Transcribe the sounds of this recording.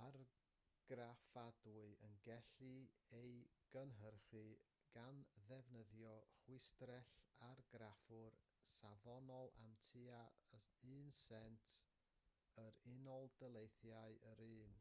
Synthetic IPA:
ar | ɡ̥rafadʊɨənɡɛɬɨejɡ̥ənɦərχɨ | ɡ̥anðɛvnəðjɔχwɪstrɛɬarɡɾafʊr | savɔnɔlˠa̰mtʰɨaɨːnsɛntʰ | əɾɪnɔlˠd̥əlˠejθjaɨəɾɨːn

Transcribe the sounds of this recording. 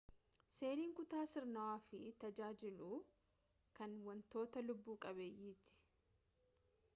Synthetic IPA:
se̞ːliːŋkʊt̪aːsɪɾnɐwaːfɪt̪ɐd͡ʒaːd͡ʒɪluː | kɐnwɐnt̪o̞ːt̪ɐlʊbːuːkʼɐβeːjiːt̪ɪ̥

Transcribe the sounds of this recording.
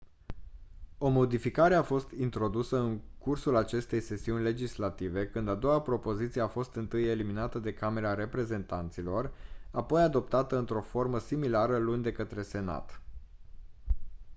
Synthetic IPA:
o̞mo̞d̪ifikaɾe̞afo̞st̪int̪ɾo̞d̪usəɨŋkursulat͡ʃe̞st̪e̞jse̞siunʲle̞d͡ʒislat̪ive̞kɨnd̪ad̪o̞wapɾo̞po̞zit̪sije̞afo̞st̪ɨnt̪ɨje̞liminat̪əd̪e̞kame̞ɾaɾe̞pɾe̞ze̞nt̪ant̪silo̞rapo̞jad̪o̞p̚t̪at̪əɨnt̪ɾo̞fo̞rməsimilaɾəlund̪e̞kət̪ɾe̞se̞na̰t̪

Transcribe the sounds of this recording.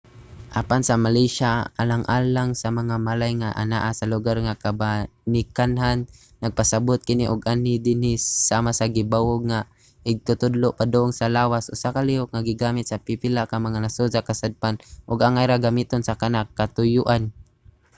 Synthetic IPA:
ʔapansamaliʃaa̰laŋʔa̰ːlaŋsamaŋamalajŋaʔa̰na̰ʔasalʊɡarŋakabanɪkanɦanː | aɡ̚pasabʊt̪̚kɪniʔʊɡanɪd̪ɪnɪsamasaɡɪbawʊɡ̚ŋa | ʔɪɡ̚t̪ʊt̪ʊd̪lʊʔpad̪ʊʊŋsalaːwasʔʊsakaliʊk̚ŋaɡɪɡaːmɪt̪̚sapipɪlakaŋmaŋanasuzakasad̪̚panʔʊɡaŋajɾaɡamit̪onsakanakːat̪ʊjʊʔan

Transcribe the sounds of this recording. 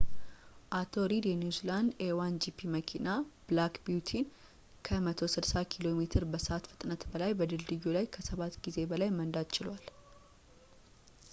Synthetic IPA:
ʔat̪ʰo̞ɾid̪jɛnjuziland̪ewand͡ʒipʰiməkʰinab̥lakbiut̪ʰin | kʰəmət̪ʰo̞sɨdsakʰilo̞me̞t̪ʰɨɾbəsəʔat̪fɨ̥t̪ʼnət̪bəlajbəd̪ɨld̪ɨjulajkʰəsəβat̪ːɡize̞bəlajmənd̪ad̪t͡ʃɪlwal

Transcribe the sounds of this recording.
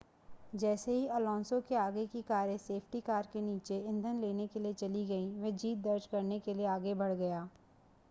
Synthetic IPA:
d͡ʒɛːseɦiɐlɔ̃ːnsõkeaːɡekikaːɾjəseːpʰʈikaːɾkeniːt͡ʃeɪ̃nd̪ʱənleːnekeliet͡ʃɐliɡɐiʋed͡ʒiːt̪̚d̪ɐɾd͡ʒkɐɾnekelieaːɡebɐɽɡɐjaː

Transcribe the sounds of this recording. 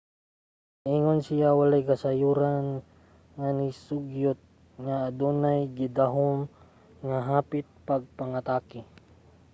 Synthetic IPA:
ʔiŋonsɪjawalajkasajuːɾan | ŋanɪsʊɡjʊt̪̚ | ŋaːd̪unajɡɪd̪aɦʊm | ŋaɦaːpɪt̪̚paɡ̚paŋat̪aːkɪ

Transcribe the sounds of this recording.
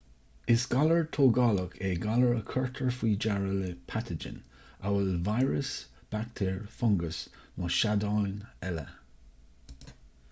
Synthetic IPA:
ɪsɡ̥aləɹt̪ʰoːɡɑləkʰeːɡaləɹəkʰəɹt̪ʰəɹfiːd͡ʒaɹələpʰatʰəd͡ʒə̰n | awəlvajɹəsb̥ak̚t̪ʰeːɹfɔŋɡəsmɔʃadɑjnɛlə̰

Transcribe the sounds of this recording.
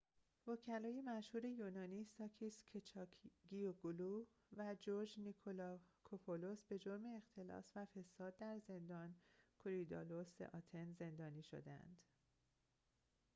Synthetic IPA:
vocʰælɒːje̞mæʃhuːɾe̞junɒːniːsɒːcʰiːst̪cʰet͡ʃʰɒkʰɡijoɡulu | væd͡ʒoɾd͡ʒnikʰolɒkʰopʰolosbe̞d͡ʒoɾme̞ːxt̪ʰe̞lɒ̰ːsvæfe̞sɒːd̪ːæɾze̞nd̪ɒːnkʰoɾid̪ɒ̰losḛʔɒːt̪ʰe̞nzend̪ɒːniːʃo̰d̪ææ̰nd̪̥

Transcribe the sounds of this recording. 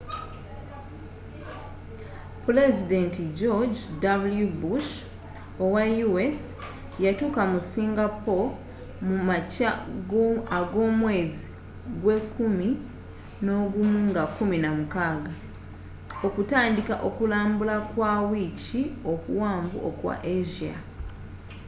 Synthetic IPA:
pule̞zide̞ntiɟo̞ɟdabuljubuʃ | owajues | jatuːkamusiːŋɡapo̞ | mumacaɡaɡo̞ːmwe̞ːzi | ɡwe̞kumi | no̞ːɡumuŋɡakːuminamukaːɡa | okutaːndikaʔo̞kulaːmbulakwawicio̞kṵwaːmɡṵʔo̰kwa̰ʔeʒia̰

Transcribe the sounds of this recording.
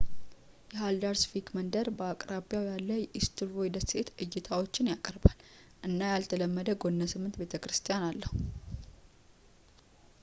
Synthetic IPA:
jɛɦald̪aɾsfikmənd̪əɾbəakʼɾaβijawjalːəʔist̪ʰɨɾojd̪əse̞t̪ɨjːɪt̪ʰawo̞t͡ʃːɪnjakʼəɾbalː | ʔɨnːajalt̪ʰələmːəd̪əɡo̞nːəsɨmːɨnt̪be̞t̪ʰəkɾɨst̪ʰijanalːəhu

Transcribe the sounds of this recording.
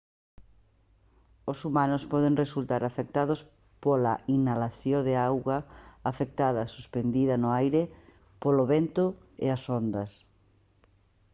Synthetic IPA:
osumanʊspɔðeŋresult̪aɾafek̚t̪að̞ʊs | polaʔinalaθjoðeawɣɐafek̚t̪aðɐsuspend̪iðɐnʊajɾɪ | poloβent̪ʊ | ḛasond̪ɐs

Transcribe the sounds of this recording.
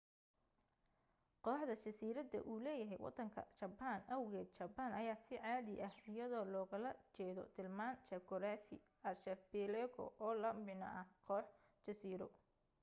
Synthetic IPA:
qɔːħd̪ɐt͡ʃɐsiːɾɐd̪ɐ̰ʔuːlɛːjɐɦɛ̰jwʔɑ̰d̪ɐŋkʰɐ̰t͡ʃɐbaːnɐwɣɛːd̪̚t͡ʃɐbaːnʔɐjaːsɪʕaːðɪʔɐhɪjɐðɔːlɔːɣɐlɐt͡ʃɛːðɔ̰t̪ʰɪlmaːnt͡ʃɐkɔɾaːfɪ̰ | ɐrʃɛfbɛlɛkʰɔ̰ʔɔːlɐmbɪnɐ̰ʔɐhqɔːħ | t͡ʃɐsiːɾɔ

